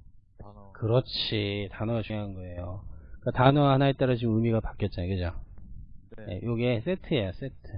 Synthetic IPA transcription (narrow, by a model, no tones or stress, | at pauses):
kɯɾʌt͡ɕʰitanʌɡat͡ɕuŋɦannɡʌe̞jok͈atanʌhanaet͈aɾat͡ɕimɯmiɡapak͈jʌt̚t͡ɕ͈ajokɯd͡ʑa | jḛjoɡes͈etʰɯejas͈etʰɯ